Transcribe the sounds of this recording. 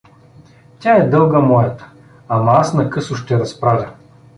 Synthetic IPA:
tʲaɛd̪ɤlˠɡɐmɔjɐt̪ə̥ | amɐasnɐkɤsʊʃt̪ɛɾɐspɾavʲɐ

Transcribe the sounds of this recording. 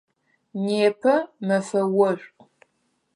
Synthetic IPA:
neːpʰɐmɐfɐwɐ

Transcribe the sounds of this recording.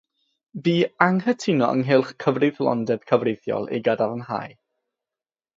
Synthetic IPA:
biːaŋhətʰɪnɔʔə̰ŋɦɪlˠχkʰəvrɪðlˠɔ̰ndɛb̥kʰəvrejθjɔ̰lˠḛɡadaɾənɦa̰ːj

